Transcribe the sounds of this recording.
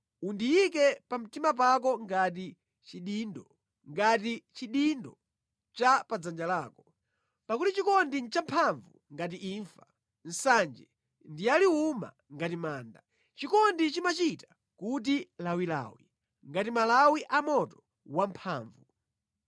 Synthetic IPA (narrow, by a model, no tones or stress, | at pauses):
undijikɛpam̩timap̬ak̬ɔŋɡat̬i | t͡ʃiɗindɔ | ŋɡat̬it͡ʃiɗindɔ | t͡ʃapad͡zand͡ʒalaːkɔ | pakutit͡ʃikɔndint͡ʃampʰaɱvṵŋɡat̬iʔiːɱfa | n̩sand͡ʒɛ | ndialiuma̰ | ŋɡatimaːnda | t͡ʃikɔndit͡ʃimat͡ʃitḁ | kut̬ilawila̰ːwi | ŋɡatimalawiʔamɔtɔ̥ | wampʰaːɱvu